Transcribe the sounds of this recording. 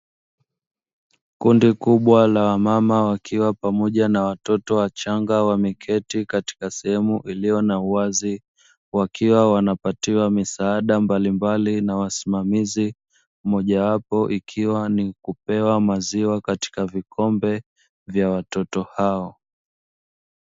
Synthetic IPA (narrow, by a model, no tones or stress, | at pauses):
kundikuɓwalawamamawakʰiwapamɔʄanawatɔtɔwat͡ʃaŋɡawamikʰɛtikati̥kasɛhɛmuʔilijɔnauazi | wakʰiwawanapatiwamisaːɗambalimbalinawasi̥mamizi | mɔʄawapɔʔikʰiwanikupɛwamaziwakati̥kavikʰɔmbɛ | vjawatɔtɔhaɔ